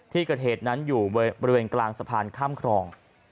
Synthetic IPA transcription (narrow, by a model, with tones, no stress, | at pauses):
t̪ʰiː˥˩kɤː˨˩t̪̚heː˨˩t̪̚na˦˥njuː˨˩bɔ˧ɾi˧weː˧nklaː˧ŋsa˧pʰaː˧nkʰaː˥˩mkʰɾɔː˧ŋ